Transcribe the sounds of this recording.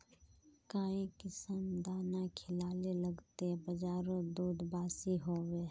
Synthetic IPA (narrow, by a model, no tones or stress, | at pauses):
kaːĩkɪsəmd̪aːnakʰɪlaːlelɐɡt̪ebɐd͡ʒaːɾõd̪uːd̪baːsiɦoːwe